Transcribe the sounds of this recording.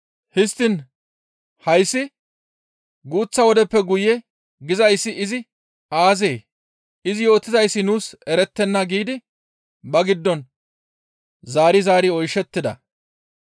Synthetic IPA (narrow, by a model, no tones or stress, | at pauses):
hɪst̪ːɪn | hɐjsːɪ | ɡuːt͡sːɐwɔd̪ɛpːɛɡʊjɛ | ɡɪzɐjsːɪɪzɪ | aːze̞ː | ɪzɪjo̞ːt̪ːɪzɐjsːɪnuːsɛɾɛt̪ːɛnːɐɡiːd̪ɪ | bɐɡɪd̪ːɔn | zaːɾɪzaːɾɪɔjʃːɛt̪ːɪd̪ɐ̰